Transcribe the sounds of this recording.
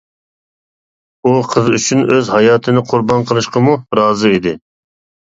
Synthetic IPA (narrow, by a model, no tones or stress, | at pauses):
uqʰəzyt͡ʃʰynøzhɑjɑːt̪ʰɨnɪqʰʊɾbɑnqʰəlˠɨʃqəmuɾɑːzɨid̪ɪ